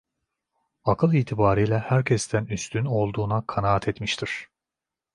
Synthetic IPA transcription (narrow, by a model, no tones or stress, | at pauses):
akʰɯlˠiːt̪ʰibaːɾijlʲɛhæɾcʰɛst̪ʰænyst̪ʰyno̞lˠd̪uːnakʰanaːat̪ʰɛt̪miʃt̪ʰiɾ̥